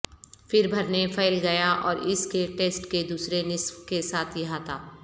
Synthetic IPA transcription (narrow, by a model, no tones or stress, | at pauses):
fɪɾbʱɐɾnefʰɛːlɡɐjaʔɔ̰ːɾɪskeʈeːsʈked̪uːsɾenɪswkesaːt̪ʰjɐɦat̪ʰaː